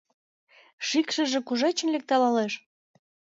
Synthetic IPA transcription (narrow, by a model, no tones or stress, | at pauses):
ʃikʃə̆ʒĕkuʒet͡ɕə̆nlek̚t̪ɑlɑleʃ